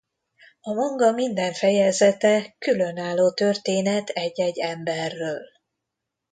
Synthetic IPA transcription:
ɒmɒŋɡɒmind̪ɛɱfɛjɛzɛt̪ɛkylø̞naːlːoːt̪ørt̪eːnɛt̪ɛɟːɛɟːɛmbɛrːøːl

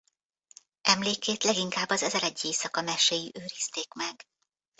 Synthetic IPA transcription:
ʔɛmleːkeːt̪lɛɡiŋkaːbːɒzɛzɛɾɛɟːeːsɒkɒmɛʃejiʔøːɾist̪eːkmɛɡ̥

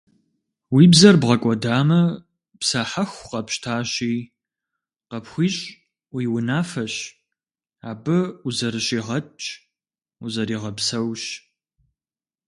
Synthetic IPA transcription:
wiːbzɐrbʁɐkʷʼɔdaːmɐ | psaħaxʷqɐpɕtʰaːɕiː | qɐpxʷiːɕʼ | wiwʊnaːfɐɕ | aːbɨuzɐɾɨɕiːʁɐt͡ʃʼ | uzɐɾiːʁɐpsɐwɕ

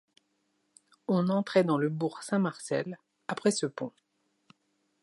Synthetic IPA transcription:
ɔ̃nɑ̃t̪χɛd̪ɑ̃ləbuʁsɛ̃maʁsɛl | apχɛsəpɔ̃

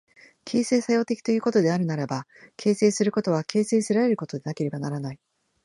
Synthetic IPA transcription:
kʲʰe̞ːse̞ːsajo̞ːt̪e̞kʲi̥t̪o̞jɯ̟ːko̞t̪o̞d̪e̞aɾɯ̟naɾebakʰe̞ːseːsɨɾɯ̟ko̞t̪o̞β̞akʰe̞ːseːsɨɾaɾe̞ɾɯ̟ko̞t̪o̞d̪e̞nake̞ɾe̞banaɾanai

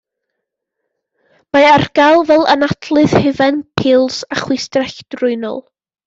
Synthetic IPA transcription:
maarɡ̥alˠvɛlˠə̰natʰlˠɨð̥hɪvɛnpʰɪːlˠsaχwɪstrɛɬd̥rʊɨnɔ̰lˠ

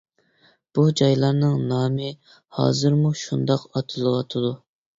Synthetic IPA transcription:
b̥ud͡ʒɑjlˠɑɾnɨŋnɑːmɨ | hɑ̰ːzɨɾmuʃund̪ɑqɑt̪ʰɨlˠəʁɑt̪ʰɨd̪u

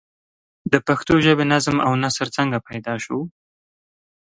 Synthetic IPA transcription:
d̪əpaxt̪oʒəbenazmawnasəɾt͡səŋɡapajd̪ɑʃu

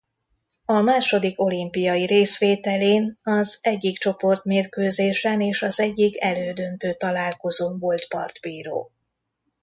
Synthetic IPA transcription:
ɒmaːʃo̞d̪iko̞limpijɒjiɾeːsʋeːt̪ɛleːnɒzɛɟːikt͡ʃo̞po̞rt̪meːrkøːzeːʃɛneːʃɒzɛɟːikɛløːd̪ønt̪øːt̪ɒlaːlko̞zoːvo̞lt̪pɒ̰rt̪biːɾo̰ː

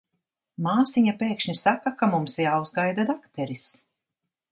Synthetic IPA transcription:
maːsiɲapeːkʃɲʲisakakamumsjaːwzɡajd̪ad̪akt̪ɛɾis

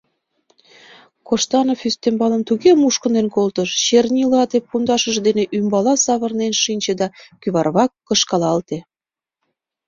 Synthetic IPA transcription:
koʃt̪ɑnofyst̪embɑlə̆mt̪uɣemuʃkənenkolt̪əʃɕernʲilɑt̪epund̪ɑʃəʒd̪eneʔymbɑlɑsɑβə̆rnenʃinʲt͡ɕed̪ɑkyβɑrβɑkːə̆ʃkɑlɑlt̪e

